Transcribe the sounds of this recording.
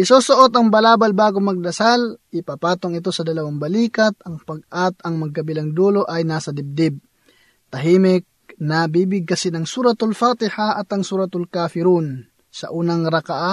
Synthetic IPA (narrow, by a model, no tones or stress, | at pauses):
ʔɪsosoʔo̞t̪ɐŋbɐlaːbɐlbaːɡomɐɡ̚d̪ɐsalʔɪpaːpaːt̪oŋɪt̪̬o̞sɐd̪ɐlɐwaŋbɐliːkɐt̪̚ɐŋpɐɡ̚ʔat̪ɐŋmɐɡ̚kɐbɪlɐŋd̪olo̞ʔɐjnaːsɐd̪ɪb̚d̪ɪb̚ | t̪ɐɦiːmɪk̚nɐbiːbɪɡ̚kɐsɛnɐŋsuːɾɐt̪ʊlfat̪ɪhaɐt̪ɐŋsuːɾɐt̪ʊlkaːfɪɾun | sɐ̰ʔuːnɐŋɾɐkaʔa